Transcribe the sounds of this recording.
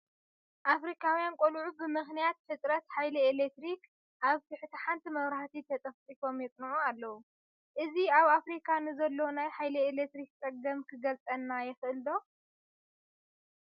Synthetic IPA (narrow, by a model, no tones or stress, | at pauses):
ʔafɾikʰawjankʷʼolʕubɨmɨxnijat̪fɨt̪ʼɾɐt̪ħajlielekt̪ɾik | ʔaβt̪ʰɨħɨt̪ʰɐħant̪ʰimɐβɾaħt̪ʰit̪ʰɐt̪ʼɐft͡sʼifo̞mjɛt͡sʼnʕualːɐwu | ʔɨziaβafɾikʰanɨzɐlːo̞najħajlielekt̪ɾik̚t͡sʼɐɡɐmkʰɨɡɐlt͡sʼɐnːajɛxɨʔɨld̪o̞